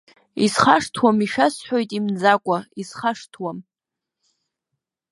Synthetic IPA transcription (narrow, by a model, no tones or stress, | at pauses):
isχaʂtʰwamiʃᶣasħʷojtʼimd͡zakʷʼaisχaʂtʰwam